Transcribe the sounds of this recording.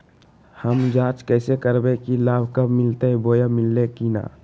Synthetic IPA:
həmd͡ʒaːt͡ʃkɛːsekəɾbekilaːbʱkəbmɪlt̪eboːjamɪlːekina̰ː

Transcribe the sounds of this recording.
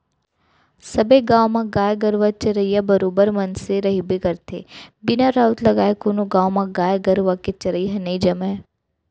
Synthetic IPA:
səbeɡãʋmãɡaːjɡəɾʋat͡ʃəɾəijabəɾoːbəɾmənseɾəɦibikəɾt̪ʰebɪnaɾaʋt̪ləɡaːjekonoɡãːwmãɡaːjɡəɾʋaket͡ʃəɾəjɦɛ̃nəĩd͡ʒəme

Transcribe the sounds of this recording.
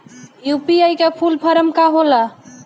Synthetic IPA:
jupiajkepʰulpʰəɾəmkaɦola

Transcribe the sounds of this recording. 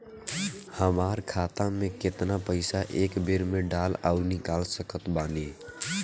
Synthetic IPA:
həmaːɾkʰaːt̪ãmẽkɪt̪napəɪsaʔeːkbeɾmẽɖaːla̰uɾnɪkaːlsəkət̪baːne

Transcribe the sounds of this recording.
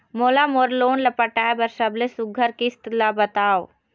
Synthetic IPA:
moːlamoːɾloːnlɐpəʈaːebɐɾsɐblesʊɡʱəɾkist̪labɐt̪aːo

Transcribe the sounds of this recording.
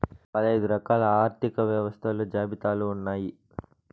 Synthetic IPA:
pɐd̪ɐjd̪uɾɐkaːlɐaːɾt̪ʰikɐʋjɐʋɐst̪ʰɐluːd͡ʒaːbit̪aːluːnːaːji

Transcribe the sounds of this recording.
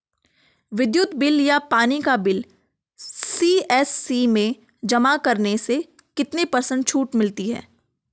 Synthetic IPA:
ʋɪd̪jʊt̪bɪljapaːnikabɪl | siːɛːsːimẽ | d͡ʒɐmakɐɾnese | kɪt̪nepɐɾsə̃ɳɖ̚t͡ʃʰuːʈmɪlt̪iɦɛ̰ː

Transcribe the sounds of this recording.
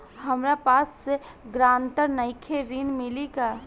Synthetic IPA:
ɦəmɾapasːe | ɡɾãːnt̪əɾnəɪkʰeɾinmɪlika

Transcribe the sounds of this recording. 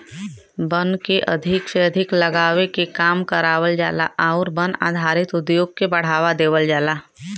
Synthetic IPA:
bənkeʔɐ̰d̪ʱɪkseɐd̪ʱɪkləɡaːʋekekaːmkəɾaːwəld͡ʒa̰ːla̰ʔaːɾbəna̰ːd̪ʱaːɾɪt̪ʊd̪joːɡ̚kebɐɽ̤aːʋad̪eːʋəld͡ʒaːlaː

